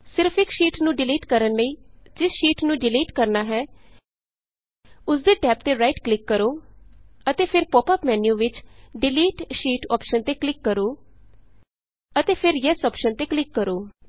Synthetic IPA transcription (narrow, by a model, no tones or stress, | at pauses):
sɪɾpʰɪkʃiːʈnũːɖɪliːʈkəɾənləiːd͡ʒɪsʃiːʈnũːɖɪliːʈkəɾnaːɦɛː | ʊsd̪eːʈɛːp̚t̪eːɾaːiʈklɪkːəɾoː | ət̪eːpʰɪɾpɔːpəːpmɛːnjũːʋɪt͡ʃɖɪliːʈʃiːʈɔ̰ːpʃənt̪eːklɪkːəɾoː | ət̪eːpʰɪɾjɛsɔːpʃənt̪eːklɪkːəɾoː